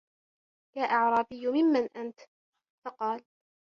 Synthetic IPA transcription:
jaːʔɑʕɾˤɑːbɪjːʊmɪmːanʔant̪ | fɑqɑːl

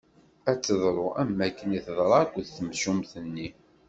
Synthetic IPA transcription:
æt͡sːəðˤɾˤoæmːækːəniθðˤɾˤɑkʷðθəmsumθənːi

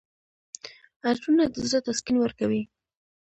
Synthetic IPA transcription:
aʈunad̪əzɾat̪askinwəɾkawi

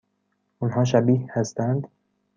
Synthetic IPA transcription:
ʔunɦɒːʃ̬æbiːhhæst̪ænd̪

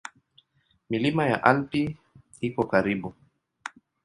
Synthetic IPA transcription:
milimaja̰ʔalpi | ikɔkaɾiɓu

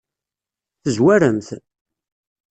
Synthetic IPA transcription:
θəzwæɾəmθ

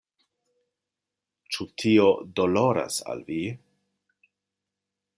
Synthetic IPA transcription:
t͡ʃutʰio̞dolo̞ɾa̰sa̰lvi

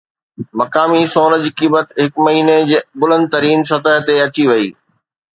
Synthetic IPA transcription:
mɐkaːmisoːnəd͡ʑkiːbət̪ɦɪkmɐɦiːned͡ʑeːbʊlə̃nd̪̚t̪ɐɾiːnsɐt̪əɦt̪eɐt͡ɕiʋɐiː

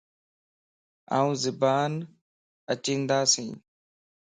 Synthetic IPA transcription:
a̰ːũːzɪbaːn | ət͡ʃĩːnd̪aːsĩː

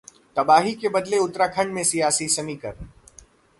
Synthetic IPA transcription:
t̪ɐbaːɦikebɐd̪leʊt̪ɾakʰɐ̃ɳɖmẽsijaːsisɐmikɐɾ

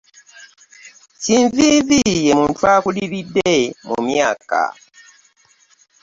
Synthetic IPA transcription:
cinviðijemuːntuakuliβidemṵmjaka̰

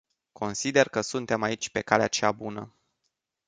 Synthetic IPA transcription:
ko̞nsid̪e̞rkəsunt̪e̞mait͡ʃʲpe̞kaleat͡ʃeabunə̰

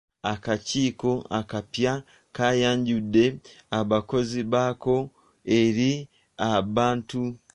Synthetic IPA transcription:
akaciːko̞a̰kapja | kajaːɲɟude̞aβako̞ziβako̞ | eɾi | aβaːntu

